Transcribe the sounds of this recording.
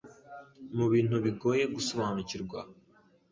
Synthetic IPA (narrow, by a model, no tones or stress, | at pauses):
muβiːn̥huβiɡo̞ːje̞ɡusoβaːnuciɾɡwa̰